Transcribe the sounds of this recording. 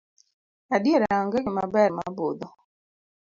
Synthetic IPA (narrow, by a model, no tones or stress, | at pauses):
adjeɾɛaŋɡaɡɪma̰bɛma̰bod̪ɔ